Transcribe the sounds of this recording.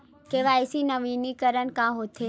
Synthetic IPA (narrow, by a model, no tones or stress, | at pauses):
keʋaesinəʋinikəɾəɳkãɦot̪ʰe